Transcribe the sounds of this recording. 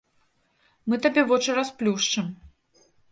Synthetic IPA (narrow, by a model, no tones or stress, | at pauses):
mɨt̪abʲɛvɔt͡ʂɨɾasplʲuʂt͡ʂɨm